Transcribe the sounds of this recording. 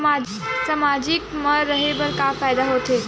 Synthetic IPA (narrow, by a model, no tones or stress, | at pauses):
ma | samad͡ʒikməɾːəɦebəɾkafajd̪aɦot̪e